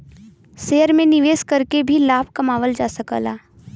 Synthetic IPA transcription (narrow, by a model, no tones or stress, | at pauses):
seːəɾmẽnɪʋeːskɐɾkebʱilaːb̚kɐmaːʋəld͡ʒaːsəkə̰laː